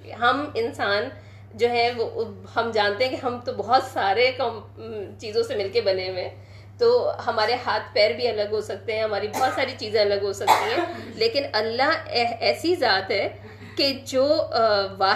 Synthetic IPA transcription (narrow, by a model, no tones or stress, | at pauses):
ɦɐmɪnsaːn | d͡ʒoːɦɛʋo | hɐmd͡ʒãːnt̪eɦɛ̃kiɦɐmt̪obɐɦɔt̪saːɾekɐm | t͡ʃiːzõsemɪlkebɐneʋẽ | t̪oːɦɐmaːɾehaːt̪ʰpɛːɾbʱiɐləɡɦosɐk̚t̪eɦɛ̃ɦɐmaːɾibɐɦɔt̪saːɾit͡ʃiːzẽɐləɡɦosɐk̚t̪iɦɛ̃ːleːkɪnɐlːaɦɛɛːsizaːt̪ɦɛː | ked͡ʒoːʋaː